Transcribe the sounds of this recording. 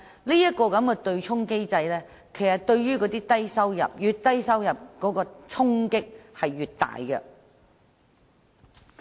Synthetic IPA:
liː˥jɐ˥t̚kɔː˧kɐ˨˥mkɛ˧t̪ɵ˧ɥt͡ʃʰʊ˥ŋke˥jt͡sɐ˧jlɛː˥ | kʰe˨˩jsɐ˨t̚t̪ɵ˧ɥɥyː˥kɔ˨˧˥t̪iː˥t̪ɐ˥jsɐ˥wjɐ̰˨p̚jyː˨t̚t̪ːɐ˥jsɐ˥wjɐ˨p̚kɔː˨˥kɔː˧t͡sʰʊ˥ŋkɪ˥k̚hɐ˨jːyː˨t̚t̪a̰ː˨jkɛ̰˧

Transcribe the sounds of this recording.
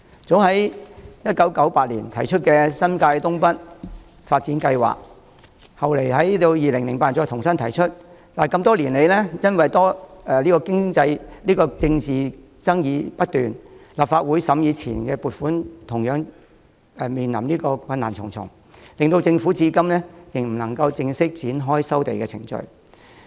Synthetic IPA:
t͡so˨˥wɦɐ˨˥jjɐ˥t̚kɐ˨˥wkɐ˨˥wpaː˧t̚lḭː˨˩nt̪ʰɐ˨˩jt͡ʃʰɵ˥t̚kɛː˧sɐ˥nkaː˧jt̪ʊ˥ŋpɐ˥t̚ | faː˧t̚t͡siː˨˥nkɐ˧jwa̰ː˨˩k̚ | hɐ˨wle˨˩jɦɐ˨˦jt̪o˧wjiː˨lɪ˨˩ŋlɪ˨˩ŋpaː˧˩t͡sɔː˧jt̪ʰʊ˨˩ŋsɐ˥nt̪ʰɐ˨˩jt͡ʃʰɵ˥t̚ | laː˨˩kɐ˧mt̪ɔː˥liː˨˩nle˨˧jlɛː˥jɐ˥nwɐ˨jt̪ɔː˥ɛ˨˩liː˥kɔː˧kɪ˥ŋt͡sɐ˧jliː˥kɔː˧t͡sɪ˧ŋt͡siː˨˩t͡sɐ˥ŋjiː˧pɐ˥t̚t̪yː˨˩nlaː˨p̚faː˧t̚wuː˨˥jsɐ˨˥mjiː˨˧t͡sʰiː˨˩nkɛː˧puː˨˩t̚fuː˨˥nt̪ʰʊ˨˩ŋjœː˨˥ŋ | ɛ˨˧miː˨˩nlɐ˨˩mniː˥kɔː˧kʰwɐ˧nːaː˨˩nt͡sʰʊ˨˩ŋt͡sʰʊ̰˨˩ŋ | lɪ˨ŋt̪o˧wt͡sɪ˧ŋfuː˨˥t͡siː˧kɐ˥mlɛː˥jɪ˨˩ŋm̩˨˩nɐ˨˩ŋkɐ˧wt͡sɪ˧ŋsɪ˥k̚t͡siː˨˥nɦɔː˥jsɐ˥wt̪e˨jkɛː˧t͡sʰɪ̰˨˩ŋt͡ʃɵ̰˨˧ɥ

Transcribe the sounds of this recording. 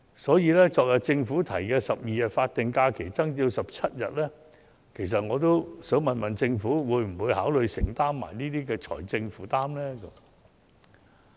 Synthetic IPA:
sɔː˨˥jiː˨˧lɛː˥t͡sɔː˨k̚jɐ˨˩t̚t͡sɪ˧ŋfuː˨˥t̪ʰɐ˨˩jkɛː˧sɐ˨p̚jiː˨˧jɐ˨t̚faː˧t̚t̪ɪ˨˩ŋkaː˧kʰe˨˩jt͡sɐ˥ŋt͡siː˧wsɐ˨p̚t͡sʰɐ˥t̚jɐ̰˨t̚lɛː˥ | kʰe˨˩js̬ɐ˨t̚ŋɔː˨˧t̪o˥wsœ˨˥wmɐ˨nmɐ˨˩nt͡sɪ˧ŋfuː˨˥wuː˨˧jm̩˨˩wuː˨˧jhaː˨˥wlɵ˨˧ɥsɪ˨˩ŋt̪aː˥mːa̰ː˨˩jniː˥t̪iː˥kɛː˧t͡ʃʰɔ̰ː˨˩jt͡sɪ˧ŋfuː˨˥t̪aː˥mlɛː˥kə˧˥m

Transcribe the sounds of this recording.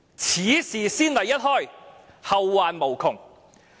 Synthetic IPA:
t͡sʰiː˨˥siː˨˩siː˥nlɐ˨˩jɐ˥t̚hɔː˥˩j | hɐ˨wːaː˨nmo˨˩wkʰʊ˨˩ŋ

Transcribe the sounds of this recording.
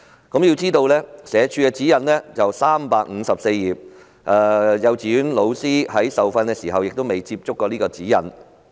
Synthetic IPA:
kɐ˨˥mji˧wt͡siː˥t̪o˧wlɛː˥sɛː˨˧t͡ʃʰyː˧kɛː˧t͡siː˨˥jɐ˨nlɛː˥t͡sɐ˨wsaː˥mpaː˧k̚ŋ̩˨˧sɐ˨p̚se˧jjiː˨p̚ | ʔɛː˨˧jɐ˨˧wt͡si˨yː˨˥nlo˨˧wsiː˥hɐ˨˥jsɐ˨wfɐ˧nkɛː˧siː˨˩ɦɐ˨wjɪ˨k̚t̪o˥wme˨jt͡si˧p̚t͡sʊ˥kːɔː˧niː˥kɔː˧t͡siː˨˥jɐ̰˨n

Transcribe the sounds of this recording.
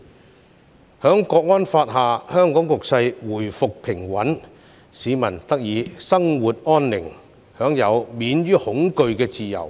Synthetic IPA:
hœː˨˥ŋkɔː˧k̚ŋɔː˥nfaː˧t̚ɦaː˨˩hœː˥ŋkɔː˨˥ŋkʊ˨k̚sɐ˧jwuː˨˩jfʊ˨k̚pʰɪ˨˩ŋwɐ˨˥n | siː˨˥mɐ˨˩nt̪ɐ˥k̚jiː˨˧sɐ˥ŋwuː˨t̚ʔɔː˥nlɪ˨˩ŋ | hœː˨˥ŋjɐ˨˧wmiː˨˥nɥyː˥hʊ˨˥ŋkɵ˧ɥkɛː˧t͡siː˨jɐ̰˨˩w

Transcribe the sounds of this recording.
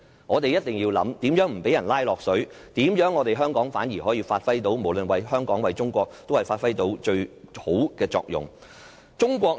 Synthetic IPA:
ŋɔː˨˧t̪e˨jɐ˥t̚t̪ɪ˨ŋjiː˧wlɐ̰˨˥mt̪iː˨˥mjœː˨˥ŋm̩˨˩pe˨˥jɐ˨˩nlaː˥jlɔː˨k̚sɵ˨˥ɥ | t̪iː˨˥mjœː˨˥ŋːɔː˨˧t̪e˨jɦœː˥ŋkɔː˨˥ŋfaː˨˥njiː˨˩ɦɔː˨˥jiː˧faː˧t̚fɐ˥jt̪o˨˥wmo˨˩wlɵ˨nwɐ˨˧jɦœː˥ŋkɔː˨˥ŋwɐ˨˧jt͡sʊ˥ŋkʷɔː˧k̚t̪o˥whɐ˨˩jfaː˧t̚fɐ˥jt̪o˨˥wt͡ʃɵ˧ɥho˨˥wkɛː˧t͡sɔ̰ː˧k̚jʊ̰˨ŋ | t͡sʊ˥ŋkʷɔː˧k

